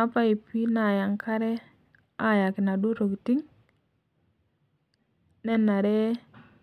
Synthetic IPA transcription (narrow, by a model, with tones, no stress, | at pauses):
a˦pa˦i˨pi˦na˨ja˨ŋkʰa˦ɾe˦ | a˦˨ja˨ki˨na˨du˦ɾo˨kti˦ŋ | ne˦na˨ɾe˦